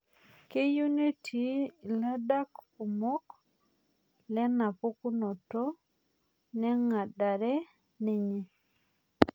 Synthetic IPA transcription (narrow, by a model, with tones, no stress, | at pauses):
ke˦ju˦ni˦tʰi˨la˦da˦ku˨mo˦k | lɛ˦na˨po˦ku˦nɔ˨to˦ | nɛ˦ŋa˨da˨ɾɛ˦ | ne˨ɲe˨